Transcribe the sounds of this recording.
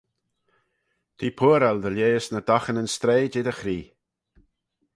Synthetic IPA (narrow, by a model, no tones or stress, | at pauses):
t̪ʰiːpʰuːɾald̪əljeːsnəd̪axənənst̪ɾeːd͡ʒɪd̪əxɾiː